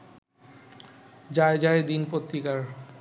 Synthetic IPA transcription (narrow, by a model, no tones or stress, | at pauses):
d͡ʑaed͡ʑaed̪inpot̪ɾikaɾ